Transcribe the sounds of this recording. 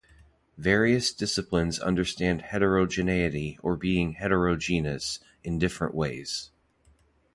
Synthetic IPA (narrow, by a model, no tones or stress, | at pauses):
vɛɹiɨsd̥ɪsɨplɨ̃nzʌ̰̃ndə˞stæ̃nd̥̚hɛɾə˞oʊd͡ʒɨneɪɨɾiə˞biɪ̃ŋhɛɾə˞oʊd͡ʒĩnɨs | ɨ̃ndɪfɹə̰̃nʔweɪz̥